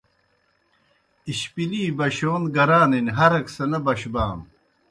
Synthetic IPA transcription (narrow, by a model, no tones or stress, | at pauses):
iɕpiliːbɐɕoːnɡɐɾaːninʲɦɐɾɐksɐnɐbɐɕbaːm